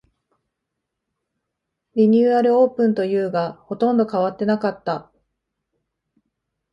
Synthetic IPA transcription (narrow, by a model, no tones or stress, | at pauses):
bʲiɲ̟ʲɨːaɾɯ̟o̞ːpɯ̟̃nt̪o̞jɯ̟ːɡaho̞t̪õ̞nd̪o̞kaβat̪ːe̞nakat̪ːa